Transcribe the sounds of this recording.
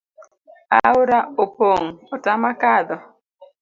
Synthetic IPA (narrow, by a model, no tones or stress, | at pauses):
a̰uɾaopoŋɔtamakad̪ɔ